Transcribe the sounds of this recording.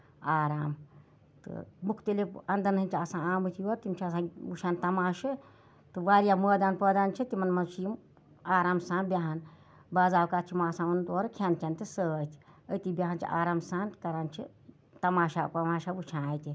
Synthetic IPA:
aːɾaːm | t̪ɨ̰mukʰt̪ilipɐnd̪ɐnɦɐnʲt͡ʃʰiɐsãːaːmɨt̪ʰioɾt̪imt͡ʃʰiɐsãːut͡ʃʰaːnt̪ɐmaːʃɨ | t̪ɨʋaːɾijaməːd̪aːnpəːd̪aːnt͡ʃʰit̪imɐnmɐt͡ʃʰijm | aːɾaːmsãːnbʲjaɦan | baːzaːwkaːt͡ʃʰimaːsãːmɐnt̪oːɾkʰaːnt͡ʃʰɐnt̪isəːt̪ʰi̥ət̪ibʲaɦant͡ʃʰḭʔa̰ːɾaːmsaːnkɐɾaːnt͡ʃʰḭ | t̪ɐmaːʃapɐmaːʃaut͡ʃʰãjt̪i

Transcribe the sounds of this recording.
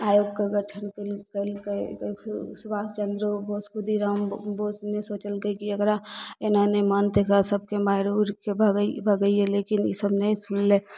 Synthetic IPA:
ajoɡkeɡəʈʰənkelkəlke | subast͡ʃənd̪ɾoboskud̪iɾambosnesoːt͡ʃəlɡəkiəɡɾaenanemənd̪ekʰasəb̚kemaɾuɾkebʱbʱəɡəielekinḭsəbnəĩsunle

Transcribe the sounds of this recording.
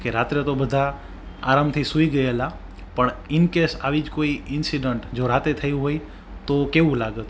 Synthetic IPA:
keɾat̪ɾet̪obəd̪ʱa | aɾamt̪ʰisuiɡəela | pəɳɪnkesaʋid͡ʒkoiɪnsiɖəɳʈd͡ʒoɾat̪et̪ʰəjũɦoj | t̪okeʋũlaɡət̪

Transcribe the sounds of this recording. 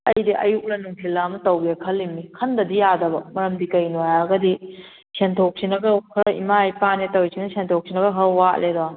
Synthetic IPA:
ɐ̰jdiʔɐ̰juk̚lɐnuŋpʰilːamɐtɐwɡɐkʰɐlːimikʰɐndɐdijadɐbɐmɐɾɐmdikɐjnuaɐɡɐdi | sentʰok̚sinɐɡɐkʰɾḭmajpanetɐwjsiŋnɐsentʰok̚sʰinɐɡɐɦɐɾwat̚ledɔ

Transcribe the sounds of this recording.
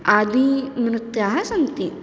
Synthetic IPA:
ad̪imɾut̪jaɦasɐnt̪i

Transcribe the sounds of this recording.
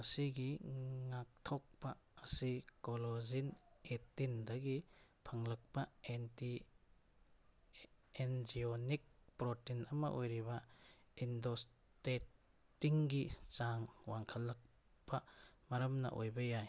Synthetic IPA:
ɐsiɡiŋak̚tʰɔk̚pɐːsikolozinetindɐɡipʰɐŋlɐk̚pɐenti | end͡ʒionik̚pɾotinɐmɐ̰ʔojɾiβɐindos | tetː | iŋɡit͡ʃaŋwaŋkʰɐlːɐk̚ | pɐmɐɾɐmnɐ̰ʔojbɐjaj

